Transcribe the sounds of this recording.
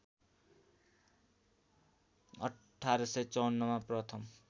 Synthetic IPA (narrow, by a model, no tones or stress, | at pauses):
ʌ | ʈʰːaɾʌsʌt͡sʌwnːʌmaprʌt̪ʰʌm